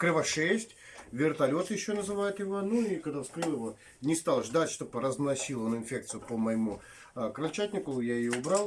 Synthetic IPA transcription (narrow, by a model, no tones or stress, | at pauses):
kɾɨvaʂɛsʲtʲvʲɪrt̪ɐlʲo̞t̪jɪɕːonəzɨvajɪt̪jɪvonuikɐɡd̪afskɾɨlˠɪvo | nʲɪst̪alˠʐd̪atʲʂt̪opəɾəznɐsʲilˠonɪnfʲek̚t̪sɨjʊpəməjɪmu | kɾɐlʲt͡ɕæt̪ʲnʲɪkʊjajɪjoʊbɾalˠ